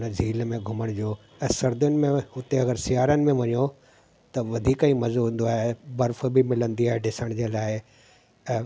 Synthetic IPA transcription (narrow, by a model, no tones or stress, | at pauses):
nəzʱiːlmẽɡʱʊməɽ̃d͡ʑoː | ɛ̃sɐɾd̪jʊnɪ̆mẽʊt̪eɐɡəɾsɪjaːɾənɪ̆mẽʋɐɲjo | t̪ɐʋɐd̪ʱiːkəĩːmɐzoɦũn̆d̪oaːɦebɐɾf̆bɪmɪlə̃nd̪iaːɦeɖɪsəɽ̃d͡ʑeːlaːɪ